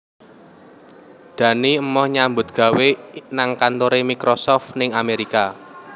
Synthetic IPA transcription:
d̪̥ä̤niəmɔhɲambʊ̤t̪̚ɡ̥ä̤wenaŋkant̪oɾemikɾosɔft̪nɪŋameɾika

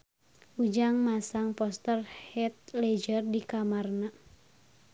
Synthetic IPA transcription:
ʔud͡ʒaŋmasaŋpɔst̪ərhɛt̪̚lɛd͡ʒərdikamarna

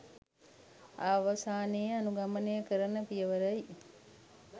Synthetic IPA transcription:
aʋəsaːnejəanuɡamənejəkəɾənəpijəʋəɾəj

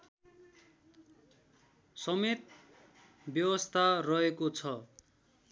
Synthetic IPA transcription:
sʌmet̪ | bjʌwʌst̪ʰarʌɦekot͡sʰʌ

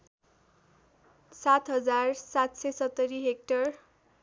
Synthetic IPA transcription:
sat̪ɦʌd͡zarsat̪sesʌt̪ːʌɾiɦek̚ʈʌr

